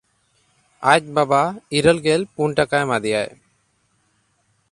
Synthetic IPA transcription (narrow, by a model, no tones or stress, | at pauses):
ac̚ˀbabaiɾəlɡɛlpunʈakajmad̪ɛjaj